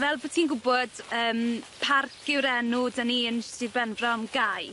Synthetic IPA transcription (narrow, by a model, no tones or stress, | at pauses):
vɛlˠbotʰiːnɡʊbɔd̥əːmpʰarkʰɪwɾɛnʊdəniənsɨdbɛnvrɔmɡaj